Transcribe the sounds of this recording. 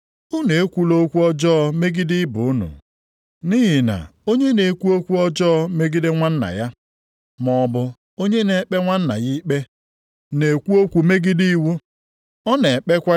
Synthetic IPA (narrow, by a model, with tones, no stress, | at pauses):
ʊ˦ne˨e˦kʷu˦lo˦kʷu˦ɔ˦d͡ʒɔː˦˨me˦ɡɪ˦dɪ˦bʊ˨ʊ˦nʊ̰˨ | ni˦ɦɪ˨na̰˨o˦ɲe˦ne˨kʷu˦o˦kʷu˦ɔ˦d͡ʒɔː˦me˦ɡɪ˦dɪ˦ŋʷa˦n̩˦na̰˨ja˦ | mɔ˨bʊ˦ | o˦ɲe˦ne˨˦k͡pe˦ŋʷa˦n̩˦na̰˨ɣi˦k͡pe˦ | ne˨kʷu˦o˦kʷu˨me˦ɡɪ˦di˦i˦wu˦ | ɔ˦ne˨k͡pe˦kʷa˦